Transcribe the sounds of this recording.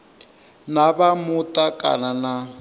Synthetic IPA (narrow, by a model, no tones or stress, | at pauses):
nabamutʼakʼa̰nana